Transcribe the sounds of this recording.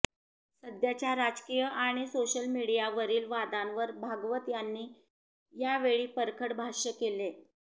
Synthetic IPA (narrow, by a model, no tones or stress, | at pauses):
səd̪jat͡ɕjaɾad͡zkijəʔaɽ̃isoɕəlmiɽijaʋəɾiːlʋad̪ãnʋəɾbʱaɡʋət̪janːiː | jaʋeɭiːpəɾkʰəɽbʱaʂəkele